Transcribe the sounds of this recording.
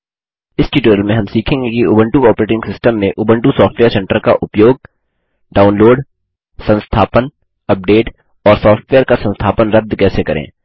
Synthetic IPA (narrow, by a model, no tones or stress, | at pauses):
ɪsʈiːʈəːɾəlmẽɦɐ̃msiːkʰẽːŋɡekiʊːbə̃ɳʈuɔːpəɾeːʈɪ̃ŋɡsɪsʈəmːẽʔʊːbə̃ɳʈusɔːfʈʋeːəɾsɛ̃ɳʈəɾka̰ʔʊpjoːɡ̚ | ɖaːʊnloːɖ | sɐ̃nst̪ʰaːpən | ɐp̚ɖeːʈ | ɔːɾsɔːfʈʋeːəɾkasɐ̃nst̪ʰaːpənɾɐd̪ʱːkɛːsekɐɾḛ̃ː